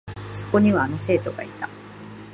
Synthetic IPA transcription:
so̞̥ko̞ɲ̟iβaːno̞se̞ːt̪o̞ɡait̪ḁ

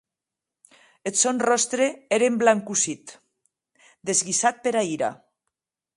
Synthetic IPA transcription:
et̪sonrɔst̪ɾeeɾemblaŋkusit̪ | d̪ezɣisat̪̚peɾaiɾa̰

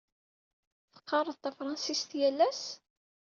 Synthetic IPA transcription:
θə̥qʰːɑrˤəðˤt̪æfɾˤɑnsist̪jælːæs

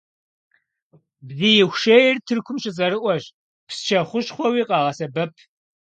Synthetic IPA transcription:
bziːjɪxʷʃejɪrtʰɨrkʷʰʊmʃɪt͡s̬ʼɐɾɨʔʷɔʒ | psʃʰɐχʷʊʃχʷɔwiːqɑːʁɐsɐbɐpʰ

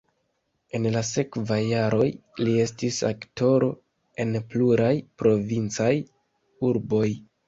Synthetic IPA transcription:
e̞nlase̞kvajːaɾo̞j | lie̞stisa̰kto̞ɾo̞ | e̞npluɾajpɾo̞vint͡saj | uɾbo̞j

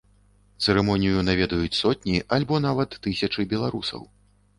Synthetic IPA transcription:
t̪sɛɾɛmɔnʲijunavʲɛd̪ɐjut͡sʲsɔt̪̚ʲnʲiʔalʲbɔn̪avɐt̪ːɨsʲɐt͡ʂɨbʲɛlˠaɾusɐ̰w

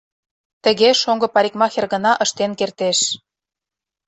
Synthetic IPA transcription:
t̪ə̆ɣeʃoŋɡɤ̆pɑɾʲikmɑxerɣə̆nɑʔə̆ʃt̪enkert̪eʃ

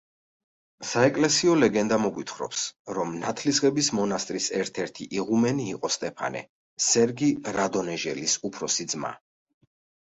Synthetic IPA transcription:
saɛkʼlɛsiɔlɛɡɛnd̪amɔɡwit̪ʰχɾɔ̰psɾɔmnat̪ʰlisʁʼɛbismɔnast̪ʼɾisɛɾt̪ʰɛɾt̪ʰiʔiʁumɛniːqʼɔst̪ʼɛpʰa̰nɛ̰ | sɛɾɡiɾad̪ɔnɛʒɛlisupʰɾɔsid̪zma̰

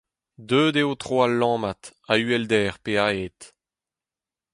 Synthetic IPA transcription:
d̪øːdeot̪ʁoalːɑ̃ːmat̪ayɛld̪ɛːʁpeaeːt̪

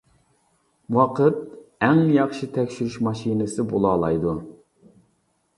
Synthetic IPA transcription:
wɑqʰət̪̚ɛŋjɑχʃit̪ʰɛkʲʃyɾyʃmɑʃinɨsɨbolˠɑːlˠɑjd̪u

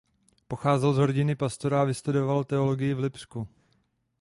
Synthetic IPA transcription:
poxaːzɛlzɦoɾɟɪnɪpast̪o̞ɾaːvɪst̪udo̞valt̪ɛo̞lo̞ɡɪjɪvlɪpsku

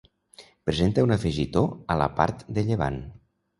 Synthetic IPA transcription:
pɾezent̪əunəfeʒit̪oələ̰pa̰ɾt̪d̪əʎəβa̰n

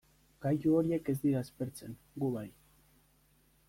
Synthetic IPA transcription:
ɡ̥ajuo̞ɾie̞ke̞zd̪iɾaespe̞ɾt͡se̞ŋ | ɡuβaj

